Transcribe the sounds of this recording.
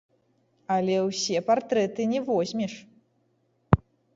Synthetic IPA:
ɐlʲɛwsʲɛpart̪ɾɛt̪ɨnʲɛvɔzʲmʲɛʂ

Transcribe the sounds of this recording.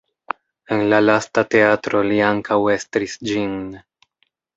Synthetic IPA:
e̞nlalastate̞atɾo̞liaŋkʰawe̞stɾisd͡ʒin

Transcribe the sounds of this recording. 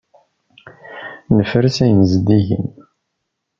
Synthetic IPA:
nəfəɾsæjəmzd̪iʝə̰n

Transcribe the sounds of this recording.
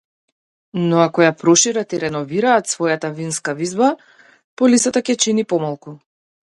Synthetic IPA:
nɔakɔjapɾɔʃiɾat̪iɾɛnɔviɾaːt̪svɔjat̪avinskavizba | pɔlisat̪acʲɛt͡ʃinipɔmalˠku

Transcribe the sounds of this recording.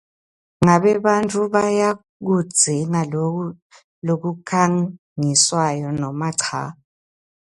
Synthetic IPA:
ŋaβɛβantʼuβaja | k̬u̥d͡z̥ʱɛŋa | lok̬ukʰaŋ | ŋiswajɔnɔmaǀʰa̰ːɔ

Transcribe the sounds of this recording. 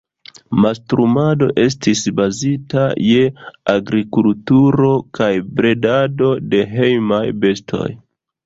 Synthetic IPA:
mastɾumado̞̰ʔe̞s̬tisbazitaje̞aɡɾikultuɾo̞kajbɾe̞dado̞de̞ɦe̞jmajbe̞stʰo̞̰j

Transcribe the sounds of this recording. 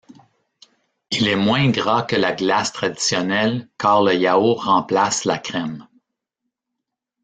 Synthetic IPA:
ilɛmwɛ̃ɡʁɑkəlaɡlast̪ʁad̪i̥sjɔnɛlkɑːʁləjaoʁɑ̃plaslakʁɛm

